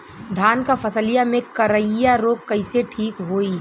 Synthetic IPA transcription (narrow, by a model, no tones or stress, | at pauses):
d̪ʱaːnkapʰɐsəlijamẽkɐɾəjaɾoːkkːɐɪseʈʰiːkɦoːiː